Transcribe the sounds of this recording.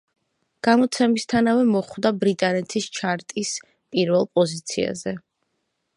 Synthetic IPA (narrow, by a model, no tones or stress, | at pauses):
ɡ̥amɔt̪sʰɛmist̪ʰanavɛmɔχwd̪abɾit̪ʼanɛt̪ʰist͡ʃʰaɾt̪ʼis | pʼiɾvɛlˠpʼɔzit̪sʰḭa̰zɛ